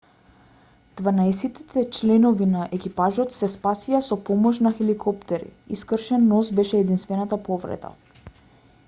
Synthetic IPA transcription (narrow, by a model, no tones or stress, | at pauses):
d̪̥vanaɛsɛt̪i̥t̪ʰɛt͡ʃlɛnɔvinaʔɛkipaʒɔt̪sɛspasijasɔpɔmɔʃnaxɛlikʰɔpt̪ɛɾḭiskr̩ʃɛnːɔsbɛʃɛːd̪inst̪vɛnat̪apɔvɾɛ̰d̪a̰